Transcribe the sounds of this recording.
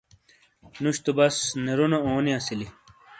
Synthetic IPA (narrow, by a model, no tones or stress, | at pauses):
nuɕt̪ubɐsneɾunɐoːniɐsili